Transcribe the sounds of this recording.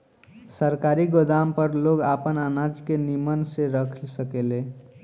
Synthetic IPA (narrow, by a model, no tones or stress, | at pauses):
səɾkaːɾiɡod̪ampəɾloɡapənanad͡ʒkenimənseɾəkʰlsəkele